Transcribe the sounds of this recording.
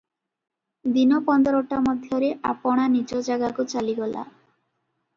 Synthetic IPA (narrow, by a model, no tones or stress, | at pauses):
d̪inɔpɔnd̪ɔɾɔʈamɔd̪ʱjɔɾeʔapɔɽ̃anid͡ʒɔd͡ʒaɡakut͡ʃaliɡɔla̰